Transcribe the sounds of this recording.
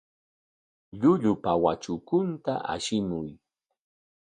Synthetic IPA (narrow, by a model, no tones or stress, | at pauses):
ʎʊʎʊpawat͡ʃʊkʊnt̪a̰ʔa̰ʃɪmʊj